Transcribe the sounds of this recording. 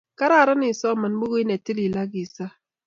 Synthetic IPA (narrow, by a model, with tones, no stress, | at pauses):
ka˦ɾa˦˨ɾa˦nɪ˨sɔ˦˨mə˨n˦ɡ͡bʊ˦ɣi˦ne˨ti˦li˨la˦ɡi˨sa˦